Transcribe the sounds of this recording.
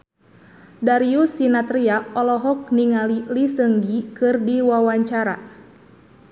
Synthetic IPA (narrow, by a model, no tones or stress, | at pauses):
daɾiusinat̪ɾiaʔɔlɔɦɔk̚niŋalilisəŋɡikɨrdiwawaɲt͡ʃaɾa